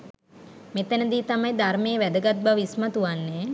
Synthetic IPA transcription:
met̪ænəd̪iːt̪amajd̪armeːʋæd̪əɡat̪̚baʋismat̪uʋanːe

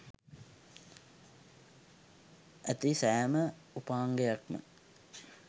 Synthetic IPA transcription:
æt̪isæjəmə | upaːŋɡejak̚mə̰

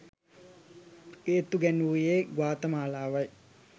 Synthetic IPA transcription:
eːt̪uɡɛnuːjeːɡwaːt̪əmaːlaːʋɐj

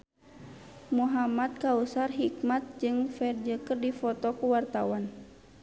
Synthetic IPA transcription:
muɦamat̪̚kausarɦik̚mat̪̚d͡ʒɨŋfɛrd͡ʒəkərdifɔt̪ɔkuwart̪awan

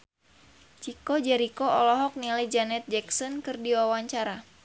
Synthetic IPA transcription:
t͡ʃikɔd͡ʒɛɾikɔɔlɔɦɔk̚nilajd͡ʒanɛt̪̚d͡ʒɛksɔnkɨrdiwawaɲt͡ʃaɾa

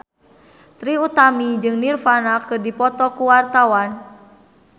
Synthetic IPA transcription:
t̪ɾiut̪amid͡ʒɨŋnirfanakɨrdipɔt̪ɔkuwart̪awan

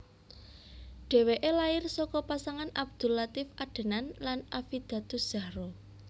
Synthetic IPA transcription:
ɖ̥e̤weʔelaɪrsɔkɔpasaŋanab̚d̪̥ṳlat̪ɪfʔaɖ̥ə̤nanlanafid̪̥ä̤t̪ʊsd̥ʒ̥ä̤ɾo

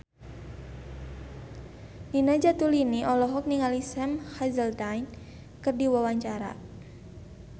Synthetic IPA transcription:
ninad͡ʒat̪uliniʔɔlɔɦɔk̚niŋalisɛmhazəlt̪ajn | kərdiwawaɲt͡ʃaɾa̰

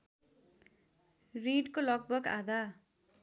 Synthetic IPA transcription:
riɖkolʌk̚bʌka̰d̪a

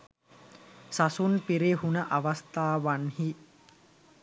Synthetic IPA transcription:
sɐsunpiɾiɦunɐʔɐʋɐst̪aːʋɐnhi

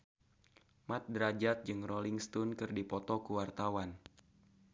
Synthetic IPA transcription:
mat̪̚dɾad͡ʒat̪̚d͡ʒɨŋroliŋst̪unkɨrdipɔt̪ɔkuwart̪awan

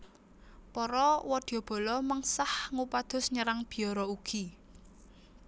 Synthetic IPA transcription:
pɔɾɔwɔd̪̥iɔb̥ɔ̤lɔməŋsahŋupad̪̥ʊ̤sɲəɾaŋb̥i̤ɔɾɔuɡ̥i

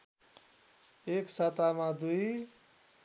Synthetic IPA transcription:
eksat̪amãd̪uj

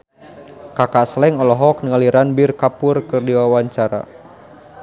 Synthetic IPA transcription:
kakaslɛŋɔlɔɦɔk̚nəŋaliɾanbirkapʊrkɨrdiwawaɲt͡ʃaɾa̰

